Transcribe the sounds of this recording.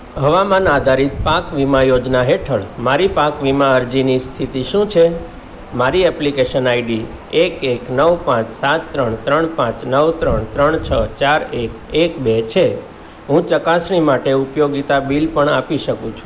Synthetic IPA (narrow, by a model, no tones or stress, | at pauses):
ɦəʋamanad̪ʱaɾit̪pakʋimãjod͡ʒnaɦeʈʰəɭmaɾipakʋimãəɾd͡ʒinist̪ʰit̪iʃũt͡ʃʰe | maɾiɛplikeʃənaiɖi | ekeknəʋpãt͡ʃsat̪ːɾəɳt̪ɾəɳpãt͡ʃnəʋt̪ɾəɳt̪ɾəɳt͡ʃʰət͡ʃaɾek | ekbet͡ʃʰe | ɦũt͡ʃəkasɳ̃imaʈeupjoɡit̪abilpəɳapiʃəkũt͡ʃʰũ̥